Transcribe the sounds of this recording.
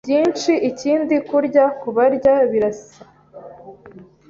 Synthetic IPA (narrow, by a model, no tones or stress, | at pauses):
bɟiːnt͡ʃiʔiciːndikuɾɟakuβaɾɟaβiɾasa